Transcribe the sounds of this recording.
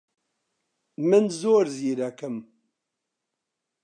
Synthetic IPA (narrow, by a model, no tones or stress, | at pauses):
mənzoːɾziːɾækəm